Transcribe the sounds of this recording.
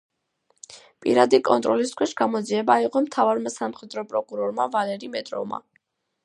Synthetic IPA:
pʼḭɾad̪ikʼɔnt̪ʼɾɔliskʰwɛʃɡamɔd̪ziɛbaiqʼɔmt̪ʰavaɾmasamχɛd̪ɾɔpʼɾɔkʼuɾɔɾmavalɛɾimɛt̪ʼɾɔ̰vma̰

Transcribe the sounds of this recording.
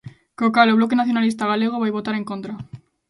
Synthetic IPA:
kokaloβlok̬enaθjonalist̪aɣ̞aleɣ̞oβajβot̪aɾeŋkont̪ɾa

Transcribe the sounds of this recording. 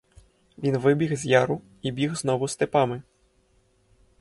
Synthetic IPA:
vʲinvɨbʲiɣzʲjaɾu | ibʲiɣznɔvust̪ɨpamɨ

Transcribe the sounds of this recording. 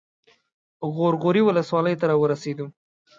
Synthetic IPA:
ɣoɾɣoɾiwʊləswɑləjt̪aɾɑwəɾased̪u

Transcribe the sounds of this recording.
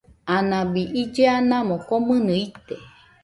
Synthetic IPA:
anãbiʔid͡ʒeanãmõkomɨ̃nɨit̪e

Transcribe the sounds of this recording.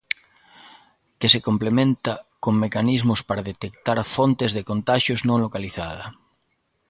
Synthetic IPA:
kesekomplemẽnt̪akoŋmekanizmʊspaɾaðet̪ekt̪aɾfont̪ezðekont̪aʃjoznõŋlokaliθaðɐ

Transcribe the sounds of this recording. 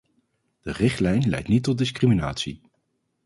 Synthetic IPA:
d̥ərɪχtlɛjnlɛ̰jtnitːɔdɪskrimina̰ːtsi

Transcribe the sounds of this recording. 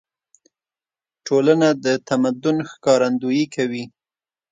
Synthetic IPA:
ʈʰolanad̪ət̪amad̪ʊnxkɑɾand̪ujikʰawi

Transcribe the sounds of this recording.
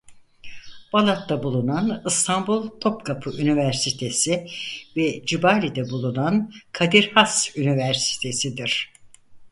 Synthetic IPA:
b̥alˠat̪ːabulˠunanɯst̪ʰanbulˠt̪ʰo̞pkʰapʰɯʔynivæɾsit̪ʰe̞sivɛd͡ʒibaːlʲid̪ɛbulˠunankʰad̪iɾhasynivæɾsi̥t̪ʰe̞sid̪iɾ̥

